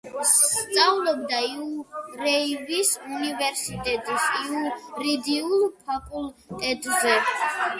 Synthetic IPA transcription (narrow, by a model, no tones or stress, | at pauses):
st̪sʼaulˠɔbd̪aiuɾɛivisunivɛɾsit̪ʼɛt̪ʼisiuɾid̪iulˠpʰapʼult̪ʼɛt̪ʼzɛ